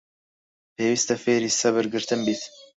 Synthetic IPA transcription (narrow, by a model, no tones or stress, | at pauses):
pʰeːwiːst̪ɐfeːɾiːsɐβɨɾɡɨɾt̪ʰɨmbiːt̪